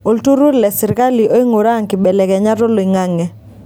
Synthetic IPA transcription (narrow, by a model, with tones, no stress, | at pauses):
o˨ltu˦ɾu˦lɛ˨sɪ˨ɾka˦li˨ʔo˦i˦ŋo˨ɾa˦˨ŋkɪ˨bɛ˨lɛ˨kɛ˨ɲa˦tɔ˦lo˨i˨ŋa˦ŋɛ˨